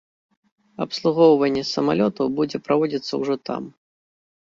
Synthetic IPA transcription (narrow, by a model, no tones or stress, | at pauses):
ɐpslˠuɣɔwvɐnʲːɛsɐma̰lʲɔt̪ɐwbud͡zʲɛpɾavɔd͡zʲit̪sːɐ̰wʐɔt̪a̰m